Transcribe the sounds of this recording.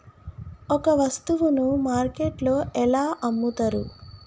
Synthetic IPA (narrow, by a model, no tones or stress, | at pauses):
ɔkɐʋɐst̪uʋunumaːɾkeʈlo̞ːʔɛlaːʔɐmːut̪ɐɾu